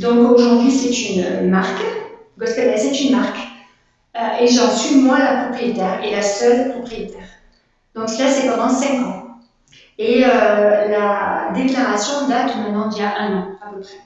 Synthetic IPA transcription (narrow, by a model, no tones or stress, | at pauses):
d̪ɔ̃koʒuʁd̪ɥisɛt̪ynmaʁk | ɡaskalɛsɛt̪ynmaʁk | øeʒɑ̃sɥimwalapχɔpχijet̪ɛʁelasœlpχɔpχijet̪ɛʁ | d̪ɔ̃kslasɛpɑ̃d̪ɑ̃sɛ̃kɑ̃ | eølad̪eklaʁasjɔ̃d̪at̪mɛ̃t̪nɑ̃d̪iljaʔɛ̃nɑ̃apəpχɛ